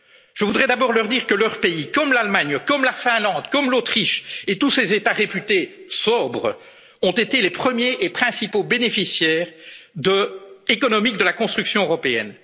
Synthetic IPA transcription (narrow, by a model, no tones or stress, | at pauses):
ʒ̥əvud̪ʁɛd̪abɔːʁlœʁd̪iːʁkəlœʁpeikɔmlalmaɲkɔmlafɛ̃lɑ̃d̪kɔmlot̪χiʃet̪usezet̪aʁepyt̪esɔbʁə | ɔ̃t̪et̪elepχəmjeʔːpχɛ̃sipobenefisjɛːʁd̪əlekɔnɔmik̚d̪əlakɔ̃st̪χyksjɔ̃øʁɔpeɛ̰n